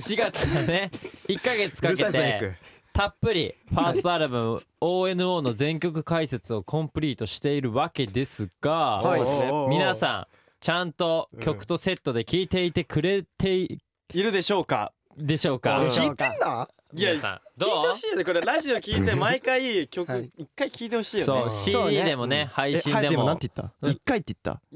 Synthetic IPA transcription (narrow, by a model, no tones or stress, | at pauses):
ɕiɡat͡sɨβane̞ikːaɡe̞t͡sɨ̥kakeat̪e | t̪apːɯ̟ɾʲḭɸaːst̪oaɾɯbɯm | oːe̞nɯ̟o̞ːno̞zẽ̞ŋkʲo̞k̬ɯ̟̥kaise̞t͡sɨo̞kʰõmpɯ̟ɾʲiːt̪o̞ɕi̥t̪e̞iɾɯ̟βake̞d̪e̞sɨɡ̥a | mʲinasã̰ŋ | t͡ɕãnt̪o̞kʲo̞kɯ̟̥t̪o̞se̞t̪ːo̞d̪e̞kʲiːt̪e̞it̪e̞kʰɯ̟ɾe̞t̪e̞i | iɾɯ̟d̪e̞ɕo̞ːka̰ | d̪e̞ɕo̞ːka̰kʲiːt̪ena | asã̰d̪oeoɕiːjonekoɾeɾaʑiokʲiːt̪e̞maikaikʲo̞kɯ̟ikːaikʲiːt̪ehoɕiːjosoːɕiːiːd̪e̞mo̞ne̞haiĩad̪eemonãnt̪e̥t̪ːa̰ikːait̪ːei̥t̪ːa̰